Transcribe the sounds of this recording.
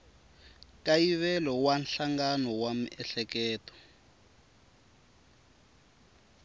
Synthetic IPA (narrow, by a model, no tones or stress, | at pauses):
kajiβɛlɔwanɬaŋɡanɔwamiʔɛɬɛkɛːtɔ̥